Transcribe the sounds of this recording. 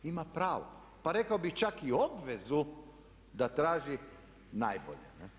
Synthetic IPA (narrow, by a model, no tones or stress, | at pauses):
imapɾaːʋo̰ | paɾekaobixt͡ʃakiobʋezu | d̪at̪ɾaːʒi | najbo̰ʎene